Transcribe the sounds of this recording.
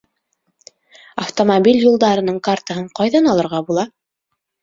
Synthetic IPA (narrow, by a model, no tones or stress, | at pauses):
ɐft̪omobʲilʲjulˠd̪ɑɾɤ̆nɤɴkart̪əɦɤɴqɑjðɑnɑlˠɤ̆ɾʁɑbulˠɑ